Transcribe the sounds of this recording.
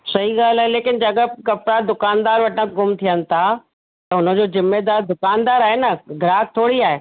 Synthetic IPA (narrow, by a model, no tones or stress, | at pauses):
sɐɦiɡaːlaːɦeleːkɪnd͡ʑɐɠəkɐpɽad̪ʊkaːnd̪aːɾʋɐʈʰãɡʊmt̪ʰijənɪ̆t̪ʰa | t̪ɐʊnə̆d͡ʑoːzɪmːed̪aːɾd̪ʊkaːnd̪aːɾaːɦenɐɡʱɾaːk̚t̪ʰoːɽiaːɦeː